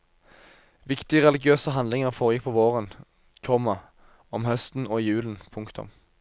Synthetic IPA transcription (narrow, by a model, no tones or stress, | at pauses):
ʋɪkt̪ɪəʁɛlɪɡɪøːsəɦɑnlɪŋəʁfoːʁəjɪk̚pʰoʋoːʁən | kʰɔmɑ | ɔmhœst̪n̩oːijʉːln̩pʰʊŋkt̪ʰʊ̰m